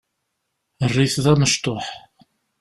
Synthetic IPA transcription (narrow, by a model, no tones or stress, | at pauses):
ərːiθðæməʃt̪oħ